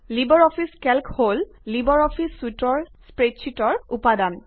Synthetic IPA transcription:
libɔɹɔpʰiskɛlkhol | libɔɹɔpʰisːutɔɹsspɹetʃʰitɔɹupadan

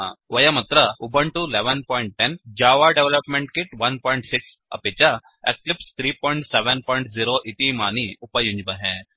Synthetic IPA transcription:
ãʋəjəmət̪ɾəubəɳʈuleʋənpɔiɳʈ̚ʈɛnd͡ʑaʋaɖeʋləpmẽɳʈkiʈʋɐnpɔiɳʈsiksə̰pit͡ɕa | ḛk̚lipst̪ʰɾiːpɔiɳʈseʋənpɔiɳʈziɾoʔit̪imaniupajũɲd͡ʑbəɦɛ̃

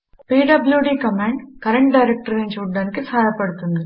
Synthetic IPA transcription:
piːɖɐbljuːɖiːkɐmeːɳɖkɐɾɐɳʈ̚ɖɐjɾek̚ʈɐɾint͡ʃuːɽːaːnikisaːjɐpɐɽut̪und̪i

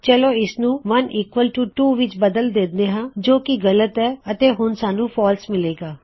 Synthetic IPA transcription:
t͡ʃɛloːɪsnũːʋəniːkʋəlʈuːʈuːʋɪt͡ʃbəd̪əld̪eːd̪eːɦãːd͡ʒoːkɪɡələt̪ɛːət̪eːɦʊnsaːnũːpʰɔːlsmɪleːɡaː

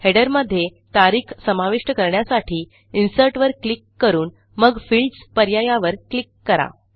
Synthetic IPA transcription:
heɽəɾməd̪ʱːje | t̪aɾiːkʰsəmaʋiʂʈəkəɾɳjasaʈʰiː | insəɾʈʋəɾklikːəɾuːn | məɡfilɖspəɾjajaʋəɾklikːəɾa̰

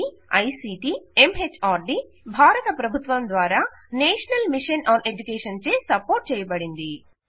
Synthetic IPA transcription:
i | ɐjsiːʈiemɦet͡ʃːaːɾɖi | bʱaːɾɐt̪ɐpɾɐbʱut̪ʋɐmd̪ʋaːɾaːneːʂɐnɐlmiʂɐnʔaːnʔed͡ʒukeːʂɐnt͡ʃeːsɐpːoːɾʈ̚t͡ʃɛːjɐbɐɽind̪i

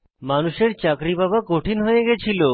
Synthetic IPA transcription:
manuʃeɾt͡ɕakɾibabakoʈʰinɦojeɡɛt͡ɕʰilo

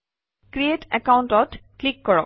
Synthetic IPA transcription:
kɾietɛkawntɔtklikːɔɹɔ̰

